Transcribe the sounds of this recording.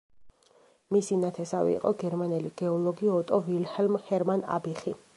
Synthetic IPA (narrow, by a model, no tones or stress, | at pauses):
misinat̪ʰɛsavɛ̰ḭqʼɔɡɛɾmanɛliɡ̥ɛɔlˠɔɡiɔt̪ʼɔvilhɛlmhɛɾmana̰biχi